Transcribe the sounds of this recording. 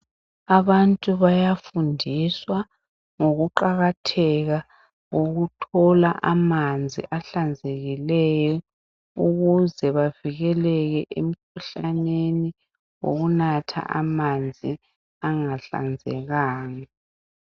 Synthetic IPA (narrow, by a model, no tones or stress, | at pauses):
aβantʼuβajafundʱiswa | ŋoɣuǃaɣatʰɛɣa | ɣoɣutʰɔlaʔamand͡zʱḭʔaɬand͡zʱeɣilɛjɔ | uɣuzɛβaviɣɛlɛɣɛʔem̩kʰuɬaneni | wo̰ɣunatʰa̰ʔamand͡zʱi | aŋaɬa̰nd͡zʱɛɣaːŋa